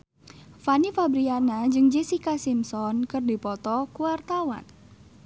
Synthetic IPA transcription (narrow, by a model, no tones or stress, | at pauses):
fanifabɾianad͡ʒɨŋd͡ʒesikasimsɔnkɨrdipɔt̪ɔkuwart̪awa̰n